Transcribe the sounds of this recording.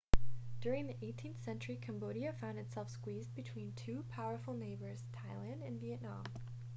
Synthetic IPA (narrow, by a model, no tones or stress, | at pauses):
d̥ʊɹɪ̃ŋðiʔeɪtʰĩnθsɛ̃nt͡ʃə˞ikʰæ̃mboʊɾiɨfãʊ̃ndɨtsɛlˠfskwizbɨtʰw̥ĩntʰʉpʰaʊə˞fl̩ˠneɪbə˞z̥tʰaɪlˠæ̃ndɨ̃nviɨʔnɑ̰̃m